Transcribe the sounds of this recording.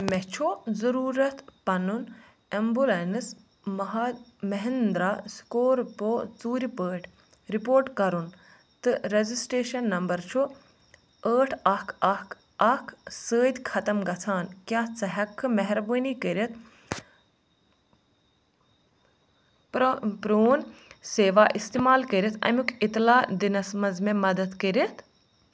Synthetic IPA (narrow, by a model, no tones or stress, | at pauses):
mɛt͡ʃʰuzɐɾuːɾɐt̪ʰpɐnun | embulenɨs | mɐɦmɐɦend̪ɾaːskoːɾpoːt͡suːɾʲpəːʈʰ | ɾipoːɾʈkɐɾun | t̪ɨɾezisʈeːʃɐnːɐmbɐɾt͡ʃʰu | əːʈʰɐkʰɐk | ɐkʰsəːd̪ʲkʰɐt̪ɐmɡɐt͡sʰaːnkjãːt͡sɐɦɐkʰːɨmɐɦɾbəːnikəɾʲɐt̪ʰ | pɾoːnseːʋaːʔist̪eːmaːlkəɾʲɐt̪ʰɐ̰mʲukit̪laːd̪inɐsmɐzmẽmɐd̪ɐd̪kəɾɐt̪ʰ